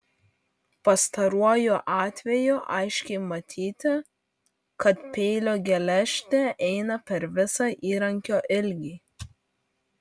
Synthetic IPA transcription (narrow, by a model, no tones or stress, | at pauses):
pɐst̪ɐɾuɔjoʔɑːt̪ʲʋʲɛjuːʔɐɪʃʲkʲɛɪmɐt̪ʲʰiːt̪ʲɪ | kɐt̪pʲɛɪlʲoːɡʲɛlʲɛʃʲt̪ʲeʔɛɪnɐpʲɛɾʋʲɪsɑːʔiːɾɐŋʲkʲoːʔɪlʲɡʲiː